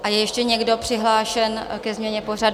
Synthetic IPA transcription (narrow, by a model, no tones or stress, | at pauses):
ʔajɛjɛʃcɛɲɛɡdo̞pr̥ɪɦlaːʃɛnkɛzmɲɛɲɛpo̞r̝ad